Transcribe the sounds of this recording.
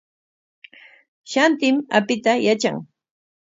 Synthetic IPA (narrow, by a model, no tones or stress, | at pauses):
ʃant̪ɪmapɪt̪ajat͡ʃa̰ŋ